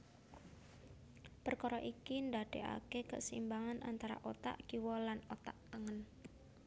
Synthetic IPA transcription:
pərkɔɾɔʔikind̪ad̥eʔa̰kekə̰simbaŋanʔant̪aɾa̰ʔot̪a̰ʔɡ̥iwɔlanot̪aʔəŋən

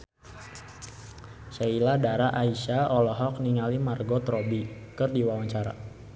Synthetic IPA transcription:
sailadaɾaʔaiʃaɔlɔɦɔk̚niŋalimarɡot̪ɾɔbikɨrdiwawaɲt͡ʃaɾa̰

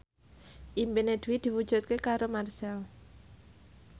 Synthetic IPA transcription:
ʔimpined̪̥uwid̪̥i̤wud̥ʒ̥ṳt̪̚kekaɾomarsɛɔ

